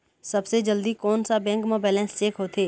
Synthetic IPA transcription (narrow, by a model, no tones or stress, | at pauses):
sɐbsed͡ʒəld̪ikɔːnsabɛ̃ːŋkmoːbɛːlɛ̃ːnst͡ʃeːkɦoːt̪ʰeː